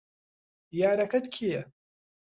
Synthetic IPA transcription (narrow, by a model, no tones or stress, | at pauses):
jaːɾakat̪kʰia